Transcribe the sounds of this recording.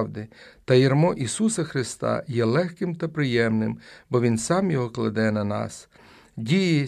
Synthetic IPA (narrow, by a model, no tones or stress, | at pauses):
wd̪ɪt̪ɐjirmɔʔisusɐxɾɪst̪ɑ̰jɛlˠɛxkɪmt̪ɐpɾɪjɛmnɪmbɔʋʲinsɑmjɔɦɔklˠɐ̰d̪ɛnɐnɑ̰s | dʲijɛ